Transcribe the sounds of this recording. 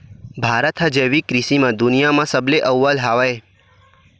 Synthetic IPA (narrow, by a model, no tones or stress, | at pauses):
bʱaɾət̪ʰad͡ʒeʋikɾisimãd̪ʊnijamãsəbleʔəʋːəlɦaʋaj